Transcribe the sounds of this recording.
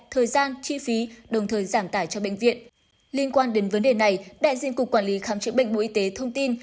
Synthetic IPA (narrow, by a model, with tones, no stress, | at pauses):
t̪ʰəː˨˩jzaː˧nt͡ɕi˧fi˨˦ɗə˨˩wŋ͡mt̪ʰəː˨˩jzaː˧˩mt̪aː˧˩jt͡ɕɔ˧ɓḛ˧˨ŋ̟vḭ˧˨ən | li˧ənkwaː˧nɗe˨˦nvə˨˦nɗe˨˩na˨˩jɗa̰ː˧˥jzi˧ənkʊ˨˩k͡pkːwaː˧˩nli˨˦xaː˨˦mt͡ɕɨ̰˨˧˥ŋɓə̰˧˨ŋ̟ɓo̰˧ʔi˧t̪e˨˦t̪ʰə˧wŋ͡mt̪i˧n